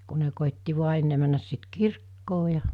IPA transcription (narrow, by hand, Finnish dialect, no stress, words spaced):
ku ne koˑitːi ʋuɑ enːe mænːæs sit kirkːoː jɑ